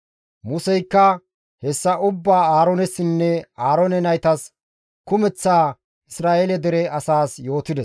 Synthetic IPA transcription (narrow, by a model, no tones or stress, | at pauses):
mʊsɛjkːɐ | hɛsːɐʔʊbːaːaːɾɔnɛsːɪnːɛaːɾɔnɛnɐjt̪ɐs | kʊmɛt͡sːaː | ɪsɾaːʔelɛd̪ɛɾɛɐsaːsjo̞ːt̪ɪd̪ɛs